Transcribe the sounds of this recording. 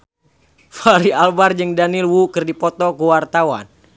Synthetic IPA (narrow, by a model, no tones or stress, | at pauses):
faɾialbard͡ʒɨŋdanilwukɨrdipɔt̪ɔkəwart̪awa̰n